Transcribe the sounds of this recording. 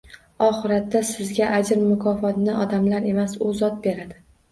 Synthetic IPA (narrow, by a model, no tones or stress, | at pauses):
ɒχɨɾat̪ːasɪzɡʲaʔad͡ʒɪɾmʊkʰɒfɒt̪nɪʔɒd̪amlaɾe̞masʊzɒt̪̚be̞ɾad̪ɪ